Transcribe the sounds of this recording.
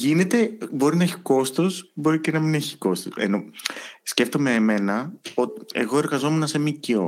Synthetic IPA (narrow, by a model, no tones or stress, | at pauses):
ʝine̞t̪e̞bo̞ɾinɐeçi̥ko̞st̪osbo̞ɾicenɐmine̞çi̥ko̞st̪osḛno̞sce̞ft̪o̞meːme̞nɐo̞t̪i̥e̞̰ɣo̞e̞ɾɣɐzo̞me̞nɐse̞micio̞